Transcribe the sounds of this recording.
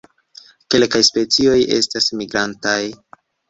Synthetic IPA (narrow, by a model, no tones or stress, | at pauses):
ke̞lkajspe̞t͡sio̞je̞̰stasmiɡɾantaj